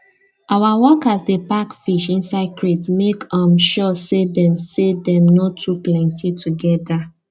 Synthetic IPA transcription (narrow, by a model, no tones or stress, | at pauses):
ʔawawɔkasdepakfiʃĩnsaɪdkʰɹetmekɔ̃mʃɔsedɛ̃msedɛ̃mnɔtʰːuplɛ̃ntʰitʰuɡɛda